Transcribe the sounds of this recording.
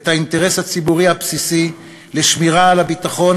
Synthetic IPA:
t̪hainteʁeshat͡sibuʁihapsisi | leʃmiʁaːlabit̪aχo̞n

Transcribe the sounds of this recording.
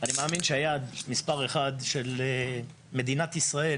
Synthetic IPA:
animeaːminʃeajad̪mispaʁeχad̪ʃe̞le | me̞d̪inat̪isʁae

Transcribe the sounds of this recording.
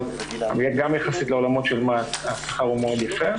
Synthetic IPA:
a̰mjeɡamjaχasit̪leolamo̞t̪ʃelmaasḁχaʁumeo̞d̪jafe

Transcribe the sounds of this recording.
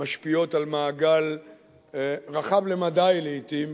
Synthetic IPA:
aʃpio̞talmaːɡal | ʁaχavlemadajleit̪im

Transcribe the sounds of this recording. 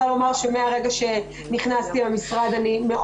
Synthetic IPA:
alo̞maʁʃemeaʁe̞ɡaʃe̞ | niχnast̪imamisʁad̪anime̞ʔ

